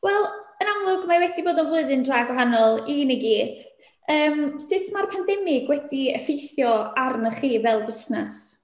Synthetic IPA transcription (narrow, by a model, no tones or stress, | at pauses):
wɛlˠənamlˠʊɡmawɛdiboːdɔnvlˠʊɨðɨndraːɡwaɦanɔlˠiniɡiːd̥ | əːmsɪtʰmarpʰandɛmɪɡwɛdiəfejθjɔarnəχiːvɛlˠbəsnas